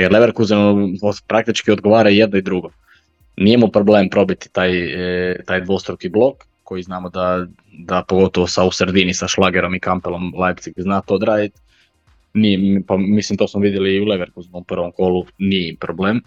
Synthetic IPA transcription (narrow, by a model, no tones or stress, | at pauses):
jeɾleʋeɾkuzenonopɾak̚t̪it͡ʃkiod̪ɡo̞ʋaːɾaje̞d̪noid̪ɾuɡo̞ | nijemupɾobleːmpɾo̞bit̪i̥t̪aːjt̪aːjd̪ʋo̞st̪ɾokiblˠo̞kː | ko̞jiznaːmod̪a | d̪apoɡo̞t̪oʋosausɾd̪inisaʃlˠaɡeɾo̞mikampelo̞mlˠajp̪sikznaːt̪o̞d̪ɾajit̪ | nijepamislimt̪osmoʋid̪jeliːuleʋeɾkuznompr̩ʋomkoːlunijpɾobleːm